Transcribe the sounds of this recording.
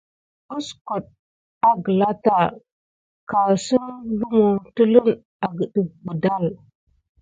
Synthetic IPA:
bu˦sku˨ɗ̚ | a˨ɡə˨la˦ta˨ | ka˨si˦nlu˦mu˨tə˦lə˦n | a˨ɡə˨ɗi˨bu˨da˦˨l

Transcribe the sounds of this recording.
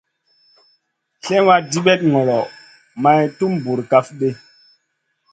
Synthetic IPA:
ɬɛ˦wa˦di˦ɓɛ˦t̚ŋɔ˨lɔ˨ | ma˨jtu˦mbu˨ɾka˦fɓe˦

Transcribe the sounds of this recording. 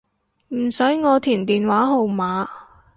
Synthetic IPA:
m̩˨˩sɵ˨˥ɥŋɔː˨˧t̪ʰiː˨˩nt̪iː˨nwaː˨˥ɦo˨wmaː˨˧

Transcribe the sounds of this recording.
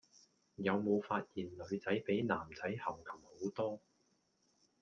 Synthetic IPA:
jɐ˨˧wmo˨˧wfaː˧t̚jiː˨˩nlɵ˨˧ɥt͡sɐ˨˥jpe˨˥jnaː˨˩mt͡sɐ˨˥jhɐ˨˩wkʰɐ˨˩mho˨˥wt̪ɔː˥

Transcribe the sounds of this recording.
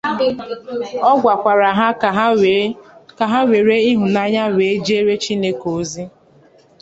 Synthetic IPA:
ɔ˦ɡʷa˨kʷa˨ɾa˨ɦa˦ | ka˨ɦa˦we˨ɾe˦i˦ɦʊ˨na˦ɲa˦we˨˦d͡ʒe˦ɾe˦t͡ʃi˦ne˦ko˨zi˦

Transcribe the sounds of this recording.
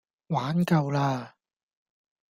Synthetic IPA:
waː˨˥nkɐ˧wlaː˧

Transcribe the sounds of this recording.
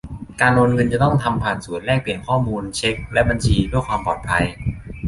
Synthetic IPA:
kaː˧nwo˧nŋɤ˧nt͡ɕa˨˩t̪ɔ˥˩ŋt̪ʰa˧mpʰaː˨˩t̪̚su˨˩˦nlɛː˥˩k̚pi˨˩ənkʰɔː˥˩muː˧nt͡ɕʰe˦˥k̚lɛ˦˥ba˧nt͡ɕʰiː˧du˥˩əjkwaː˧mpɔ̰ː˨˩t̪̚pʰa˧j

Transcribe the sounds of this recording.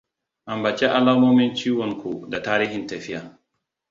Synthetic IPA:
ʔa˨mba˨t͡ʃɛ˦ʔa˦laː˦moː˦mi˦nt͡ʃiː˦wɔ˨nkʰo˨da˨taː˦ɾiː˦hi˨nta˨fi˦ja˨

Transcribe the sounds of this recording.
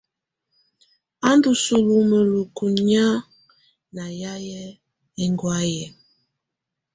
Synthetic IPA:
a˦ndu˨su˨lu˨mə˨lu˨ku˨ɲ˦a˦ | na˨ja˦jɛ˦ | e˦ŋɡwa˦jɛ˨

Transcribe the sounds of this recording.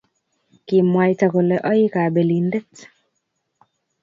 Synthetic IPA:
ki˨mwa˨jta˨ko˨lɛ˨ʔɔ˦ji˦ka˨be˨lindɛ˦t

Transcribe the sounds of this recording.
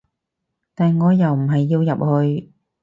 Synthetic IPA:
t̪aː˨nŋɔː˨˧jɐ˨wm̩˨˩ɦɐ˨jːiː˧wjɐ˨p̚hɵ˧ɥ

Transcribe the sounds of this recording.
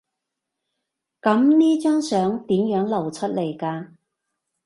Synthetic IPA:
kɐ˨˧˥mniː˥t͡ʃœː˥ŋsœː˨˥ŋt̪iː˨˥mjœː˨˥ŋlɐ˨˩wt͡ʃʰɵ˥t̚le˨˩jkaː˧

